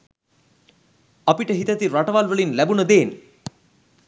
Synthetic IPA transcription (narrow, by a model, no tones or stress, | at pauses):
apiʈəɦit̪ət̪iɾaʈəʋalʋəɭinlæbunəd̪eːn